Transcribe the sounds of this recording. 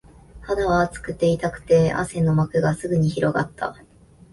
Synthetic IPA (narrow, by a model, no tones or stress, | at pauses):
had̪aβat͡sɨ̥kɯ̟t̪ːe̞it̪akɯ̟̥t̪e̞a̰sẽ̞nːo̞makɯ̟ɡasɨɡɯ̟ɲ̟içiɾo̞ɡa̰t̪ːa̰